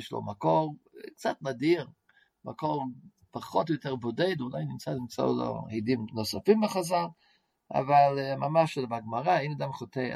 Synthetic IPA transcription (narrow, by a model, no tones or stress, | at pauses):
ʃlo̰makɔʁk̚t͡satmadiʁ | ma̰kɔʁ | paχɔtjɔtɛʁbɔdeɪdunaɪnɪmt͡satmt͡sa̰dɔ̰hidimnɔsafimbɪχazalˠ | a̰valˠmamaʃdmaɡmaʁaejnadamχote